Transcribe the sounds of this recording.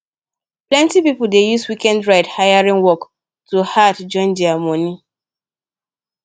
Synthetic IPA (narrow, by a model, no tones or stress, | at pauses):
plɛ̃ntipipʊldejuswikɛ̃ndɹaɪdhaɪaɹĩnwɔk | tuhadd͡ʒɔ̃nd͡ʒiamɔni